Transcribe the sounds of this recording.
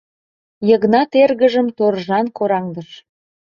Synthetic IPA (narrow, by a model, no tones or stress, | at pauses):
jəɣnɑt̪erɣəʒəmt̪orʒɑnkoɾɑŋd̪əʃ